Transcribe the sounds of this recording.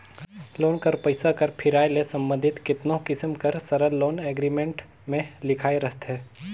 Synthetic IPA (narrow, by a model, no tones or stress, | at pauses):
loːnkɐɾpɐɪsakɐɾpʰɪɾaːelesɐ̃mbə̃nd̪ʱɪt̪kɪt̪nõkɪsmkɐɾsɐɾəlːoːnɛːɡɾiːmẽɳʈ | mẽlɪkʰaːeɾɐɦt̪ɦɛː